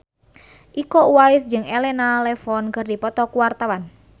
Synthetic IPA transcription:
ʔikɔuwaisd͡ʒɨŋɛlɛnalɛfɔnkɨrdipɔt̪ɔkuwart̪awan

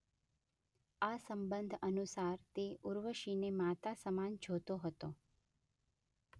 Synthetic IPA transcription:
asəmbənd̪ʱənusaɾt̪euɾʋəʃinemat̪asəmand͡ʒʱot̪oɦət̪o

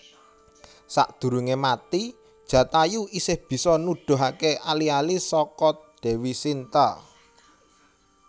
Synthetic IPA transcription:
sa̰ʔd̪̥ṳɾuŋemat̪i | d̥ʒ̥ä̤t̪ajuʔisɪhb̥i̤sɔnuɖ̥o̤ɦakeʔalialisɔkɔd̪̥e̤wisint̪ə

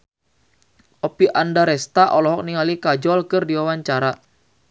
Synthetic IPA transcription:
ʔɔpiʔandaɾɛst̪aʔɔlɔɦɔk̚niŋalikad͡ʒɔlkɨrdiwawaɲt͡ʃaɾa

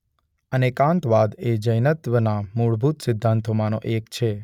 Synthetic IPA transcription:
ənekãnt̪ʋad̪ed͡ʒəjnət̪ʋənamuɭbʱut̪sɪd̪ʱːãnt̪ʰomanoʔekt͡ʃʰe

